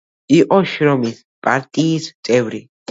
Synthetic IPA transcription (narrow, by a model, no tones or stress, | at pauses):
iʔɔʃɾɔmis | pʼaɾt̪ʼiːst̪ʼɛwɾi